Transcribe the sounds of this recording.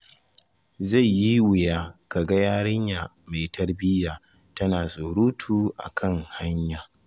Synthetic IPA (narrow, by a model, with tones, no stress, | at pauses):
za˦˨jji˦wɪ˨jaː˦ka˨ɡɐ˦jaː˦ɽɪ˦ɲjaː˨ | ma˨jtɐ˦rbɪ˦jaː˨ | tɐ˦naː˨soː˨ɽuː˦tʰuː˨ʔa̰˨kʰɐ˦ŋha˦ɲjaː˨